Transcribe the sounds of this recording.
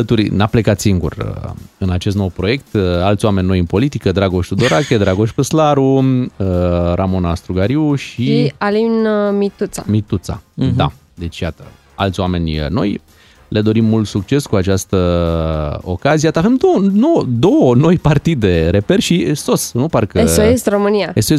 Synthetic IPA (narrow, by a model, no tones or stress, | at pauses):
ət̪uɾnaple̞kat̪siŋɡṵrə̰ɨnat͡ʃe̞s̬t̪no̞wpɾo̞je̞kt̪alt̪sʲwamenʲːo̞jɨnpo̞lit̪ikəd̪ɾaɡo̞ʃt̪ud̪o̞ɾakʲed̪ɾaɡo̞ʃpəslaɾuəɾamo̞nast̪ɾuɡaɾiuʃialinmit̪ut̪sa̰mit̪ut̪sa̰d̪a̰ | d̪e̞t͡ʃʲjat̪ə | a̰lt̪sʲwame̞nʲno̞̰j | le̞d̪o̞ɾimːult̪sukt͡ʃe̞skuat͡ʃast̪ə | o̞̰kaziat̪avemd̪onod̪o̞wəno̞jpart̪id̪e̞ɾe̞pe̞rʲʃiso̞snuparkəeoesromɨniaesoes